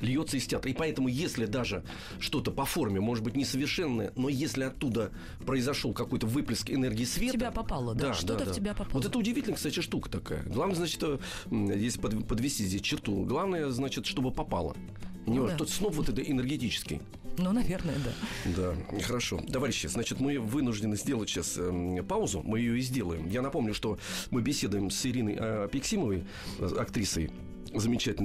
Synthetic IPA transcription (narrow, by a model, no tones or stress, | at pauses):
lʲjo̞t̪səɪsʲtʲat̪ɪpɐɛt̪əmʊjesʲlʲɪd̪aʐɨ | ʂt̪o̞t̪əpɐfo̞rmʲɪmo̞ʐɨt̪bɨtʲnʲɪsəvʲɪrʂɛnːəjə̰no̞jesʲlʲɪɐt̪ːud̪ə | pɾəɪzɐʂolˠkɐko̞jt̪əvɨplʲɪskɪnerɡʲɪːsvʲetɪəapɐpalˠəd̪aʂd̪ad̪əd̪atʲɪbʲapɐvot̪ɛt̪əʊdʲɪvʲitʲɪlʲəksatʲɪʂt̪ukə̥t̪ɐka̰jə̰ɡlˠavnəzat͡ɕɪ̥t̪ə | jesʲlʲɪpəd̪pəd̪vʲɪsʲtʲizʲdʲesʲt͡ɕɪrt̪ṵɡlˠavnəjəznat͡ɕɪt̪ʂt̪o̞bɨpɐpa̰lˠə̰ | nʲɪvaʐt̪ot̪snopvo̞t̪ɛt̪əʔɪnʲərɡʲɪtʲit͡ɕɪ̥skʲɪ̰j | nunɐvʲernəjəd̪ad̪axəɾɐʂo̞̰t̪ɐvaɾʲɪɕːəznat͡ɕɪt̪mɨvɨnʊʐdʲɪnɨzʲdʲe̞lˠətʲɕaspaʊzʊ̰mɨjɪjoɪzʲdʲe̞lˠəjɪmjanɐpo̞mnʲʊʂt̪o̞mɨbʲɪsʲe̞d̪ʊjɪmsɪɾʲinəjɐɐpʲɪksʲiməvəj | ɐkt̪ɾʲisəj | zəmʲɪt͡ɕætʲɪlʲ